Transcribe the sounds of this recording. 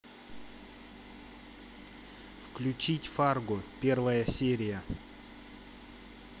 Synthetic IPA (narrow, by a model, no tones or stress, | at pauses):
fklʲʉt͡ɕitʲfarɡʊpʲervəjəsʲeɾʲɪjə